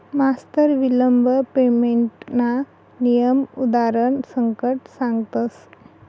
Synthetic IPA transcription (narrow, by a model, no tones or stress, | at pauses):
mast̪əɾʋiləmbʱəpemeɳʈna | nijəmud̪aɾəɳsəŋkəʈsãŋɡt̪əs